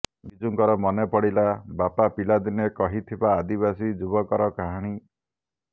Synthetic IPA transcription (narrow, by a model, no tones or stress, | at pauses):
bid͡ʒuŋkɔɾɔmɔnepɔɽilabapapilad̪inekɔɦit̪ʰibaːd̪iβasid͡ʒubɔkɔɾɔkaɦaɽ̃i